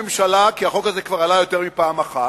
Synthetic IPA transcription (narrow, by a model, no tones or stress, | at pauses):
emʃalakiaχo̞khazekvaʁalajo̞te̞ʁmipaːmaχa